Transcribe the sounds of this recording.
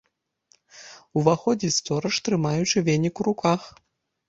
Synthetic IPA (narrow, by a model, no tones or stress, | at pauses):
uvaxɔd͡zʲist̪ɔɾɐʂt̪ɾɨmajut͡ʂɨvʲenʲikuɾukʰax